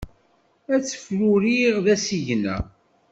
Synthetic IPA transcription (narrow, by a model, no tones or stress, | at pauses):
æt͡sːə̥fɾuɾiʁðæsiʝnæ̰